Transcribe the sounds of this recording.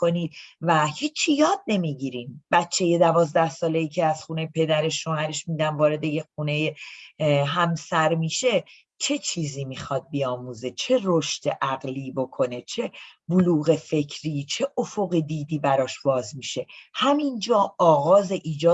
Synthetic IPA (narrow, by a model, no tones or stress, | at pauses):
oniːd̪̥̚væhiːt͡ʃʰːijɒːd̪̚ne̞miɟiɾiːmb̥ætt͡ʃʰːe̞je̞d̪ævɒːzd̪æhsɒːle̞jiːcʰeæz̥xuːne̞jepʰe̞d̪æɾe̞ʃːohæɾe̞ʃmiːd̪ænvɒːɾe̞d̪e̞jexuːne̞je | ɦæmsæɾmiːʃe̞ | t͡ʃʰe̞t͡ʃʰiːziːmixɒːd̪̥̚biɒːmuːze̞t͡ʃʰe̞ɾoʃt̪eʔæɣliːbo̞kʰo̞ne̞t͡ʃʰe̞boluːɣe̞fe̞cʰɾiːt͡ʃʰe̞ʔofoɣid̪iːd̪iːbæɾɒːʃbɒːzmiʃe̞hæmind͡ʒɒːɒːɣɒːze̞ʔiːd͡ʒɒː